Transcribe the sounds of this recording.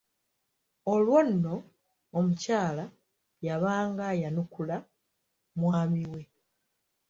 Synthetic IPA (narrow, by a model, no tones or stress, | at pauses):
o̞lwo̞nːo̞ː | mucaːla | jaβaːŋɡajanukula | mwaːmiwe̞